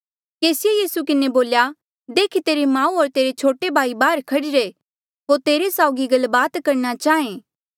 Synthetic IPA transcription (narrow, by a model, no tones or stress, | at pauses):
keːsɪjejiːsukɪneboːlja | d̪eːkʰit̪eːɾemãːũɔɾt̪eːɾet͡ʃʰoːʈebʱaːibaːɾkʰɐɽɪɾe | ɦoːɾt̪eːɾesaːʊɡiɡɐlbaːt̪kɐɾñat͡ʃaːẽː